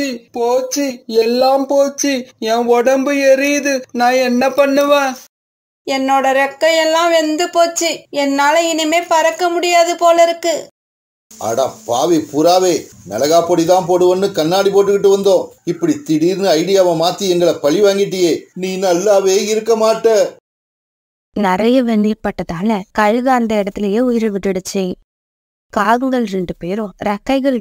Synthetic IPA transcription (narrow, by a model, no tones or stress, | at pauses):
ipoːt͡ʃːiɛlːaːmpoːt͡ʃːiɛ̃ːɔɽɐmbɯɛɾijðɯnãːɛnːɐpɐɳːɯʋẽː | ɛnːoːɽɐɾɐkːɐjɛlːãːʋɛnd̪ɯpoːt͡ʃːɯɛnːaːlɐɪnɪmeːpɐɾɐkːɐmʊɽɪjaːðɯpoːlɐɪɾɯkːɯ | ɐ̰ɽɐ̰pa̰ːʋipʊɾaːʋeːnɐ̰lɐɣaːpoɽiðãːmpoːɽɯʋɐnːɯkɐnːaːɽipoːʈːɯkɪʈːɯʋɐnd̪õːɪpːɐɽit̪ɪɽiːɾnɯɐɪɽɪjaːʋɐ̃maːt̪ːiɛŋɡɐɭɐpɐɭiʋaːŋɡɪʈːɪjeːniːnɐlːaːʋeːɪɾɯkːɐmaːʈːɐ | nɪɾɐjɐʋɛnd̪iːɾpɐʈːɐðaːlɐkɐɻɣɐɐnd̪ɐɪɽɐt̪ːɪlɐjeːʊjɪɾɯʋɪʈːɪɽɯt͡ʃːɪ̃ | kaːɣɯɡɐɭɾɛɳɖɯpeːɾõɾɐkːɐɪɣɐɭ